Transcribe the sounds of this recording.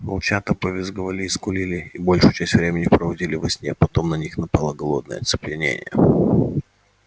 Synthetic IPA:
mɐ̰lˠt͡ɕat̪əpəvʲɪzɡəvɐlʲiːskʊlʲilʲɪibo̞lʲʂʊjʊt͡ɕæsʲtʲvɾʲemʲɪnʲɪpɾəvɐdʲilʲɪvɐsʲnʲepɐt̪o̞mnɐnʲixnɐpalˠəɡɐlˠo̞d̪̚nə̰jə̰t̪sɨ̥plʲɪnʲḛnʲɪ̰jə̰

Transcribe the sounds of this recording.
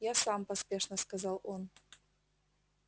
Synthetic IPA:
jasampɐspʲeʂnɐskazalˠʔon

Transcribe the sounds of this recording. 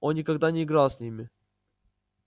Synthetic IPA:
ʔonːʲɪkɐɡd̪anʲɪːɡɾalˠsʲnʲimʲɪ

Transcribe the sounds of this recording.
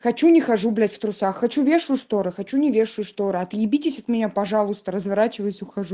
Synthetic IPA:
xɐt͡ɕunʲɪxɐʐublʲætʲft̪ɾʊsaxːɐt͡ɕuvʲeʂɨjʊʂt̪oɾɨxɐt͡ɕunʲɪvʲeʂʊjʊʂt̪oɾɨɐt̪jɪbʲitʲɪsʲɐt̪mʲɪnʲapɐʐalˠʊst̪əɾəzvɐɾat͡ɕɪvəjʊsʲʊxɐʐu

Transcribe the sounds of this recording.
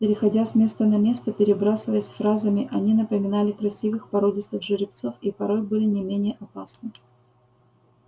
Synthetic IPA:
pʲɪɾʲɪxɐdʲasʲmʲe̞st̪ənɐmʲe̞st̪əpʲɪɾʲɪbɾasɨvəjəsʲfɾazəmʲɪʔɐnʲinəpəmʲɪnalʲɪkɾɐsʲivɨxpɐɾo̞dʲɪst̪əxʐɨɾʲɪpt̪so̞fipɐɾo̞jbɨlʲɪnʲɪmʲenʲɪjəʔɐpasnɨ

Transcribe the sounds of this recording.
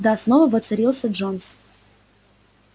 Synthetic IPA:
d̪asnovəvət̪sɨɾʲilˠsʲəʐons

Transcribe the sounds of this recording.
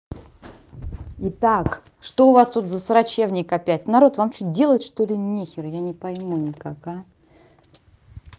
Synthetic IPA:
ɪt̪ak | ʂt̪oʊvast̪ut̪zəsəɾɐt͡ɕevnʲɪkɐpʲætʲnɐɾo̞t̪vamt͡ɕut̚ʲdʲe̞lˠət̪ʲʂt̪o̞lʲɪnʲexʲɪrjanʲɪpɐjmunʲɪkaka

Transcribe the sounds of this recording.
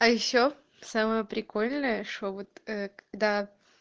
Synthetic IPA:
ɐjɪɕːo | saməjəpɾʲɪko̞lʲnəjəʂt̪ovot̪əkɐɡd̪a

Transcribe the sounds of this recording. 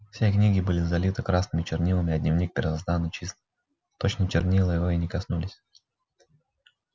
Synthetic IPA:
fsʲeknʲiɡʲɪbɨlʲɪzɐlʲit̪ɨkɾasnɨmʲɪt͡ɕɪrnʲilˠəmʲɪɐd̪ʲnʲɪvnʲik̚pʲɪɾʲɪzazd̪anːɨt͡ɕist̪ɨ | t̪ot͡ɕnət͡ɕɪrnʲilˠəjɪvoinʲɪkɐsnulʲɪsʲ

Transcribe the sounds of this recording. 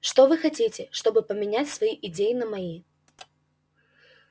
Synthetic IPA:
ʂt̪ɔvɨxatʲit͡sʲɪʂt̪obɨpəmʲɪnʲæt͡sʲsvɐjiʔɪd͡zʲejɪnɐmai

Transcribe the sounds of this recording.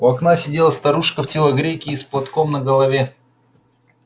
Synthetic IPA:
ʊɐknasʲɪdʲelˠəst̪ɐɾuʂkəftʲɪlˠəɡɾʲekʲɪːsplˠɐt̪komnəɡəlˠɐvʲe

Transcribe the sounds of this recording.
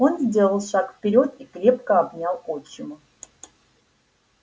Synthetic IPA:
o̞nzʲdʲe̞lˠəlˠʂakfʲpʲɪɾʲo̞t̪̚ikɾʲep̚kəabnʲalˠot͡ɕːɪmʊ

